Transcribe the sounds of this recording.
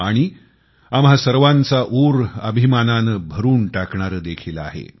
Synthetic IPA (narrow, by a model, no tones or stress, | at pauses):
aɽ̃i | amɦasəɾʋant͡saʔuɾəbʱimananəbʱəɾuːnʈakɳaɾəd̪ekʰila̰ɦḛ